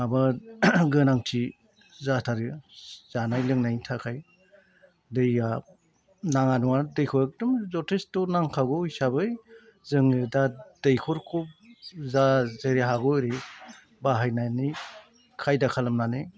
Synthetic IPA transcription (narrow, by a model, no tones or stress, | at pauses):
abaɡɯnaŋtʰi | zatʰaɾɯz̥anajlɯŋnajtʰakʰaj | dɯja | naŋanuŋadɯjkʰɔɾek̚dɯmzɔtʰestɔnaŋkʰaɡɔisabɯj | zɯŋɯdadejkʰɔɾkʰup̚zazeɾeɦaɡɔɾi | baɦajnani | kʰajdakʰalɯmnanɯ